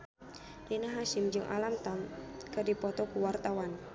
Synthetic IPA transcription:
linaɦaʃɪmd͡ʒɨŋʔa̰lamt̪aŋkədipɔt̪ɔkuwart̪awan

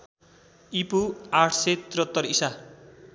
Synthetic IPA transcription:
ipuaʈʰset̪iɾʌt̪ːʌrisa

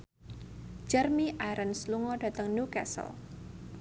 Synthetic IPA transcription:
d͡ʒərmiʔajɾənsluŋɔda̤t̪əŋnukɛ̰sə̰l

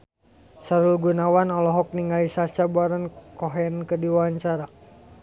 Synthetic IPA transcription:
saɾulɡunawanɔlɔɦɔk̚niŋɡalisat͡ʃaboaɾɔnkɔɦɛnkədiwaaɲt͡ʃaɾa

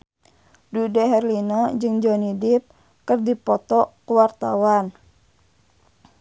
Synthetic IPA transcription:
dudɛɦɛrlinɔd͡ʒɨŋd͡ʒɔnidip̚ | kɨrdipɔt̪ɔkuwart̪a̰wan

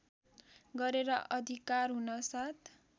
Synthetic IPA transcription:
ɡʌɾeɾʌʔʌd̪ʱikarɦunʌsat̪ʰ

